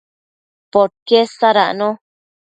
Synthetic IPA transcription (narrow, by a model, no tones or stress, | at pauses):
poɾkesaɾa̰ʔnõ